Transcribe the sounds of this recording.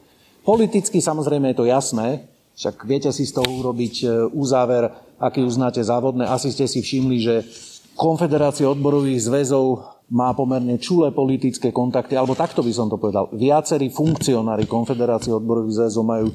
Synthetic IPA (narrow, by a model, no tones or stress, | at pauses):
pɔlit̪it͡skisamɔzɾɛjmɛjɛt̪ɔjasnɛː | fʃaɡʋɪɛcɛsist̪ɔɦɔuɾɔbicuzaːʋɛɾ | akiːuznaːcɛzaːʋɔd̪nɛʔasiscɛsifʃimliʒɛ | kɔnfɛd̪ɛɾaːt͡siɛɔd̪̚bɔɾɔʋiːɣzʋɛzɔʊmaːpɔmɛɾɲɛt͡ʃulɛːpɔlit̪it͡skɛːkɔnt̪akt̪ialɛbɔt̪akt̪ɔbis̬ɔmt̪ɔpɔʋɛd̪a̰lʋɪat͡sɛɾiːfuŋkt͡siɔnaːɾikɔnfɛd̪ɛɾaːt͡siɛɔd̪̚bɔɾɔʋiːɣzʋɛzɔʊmajuː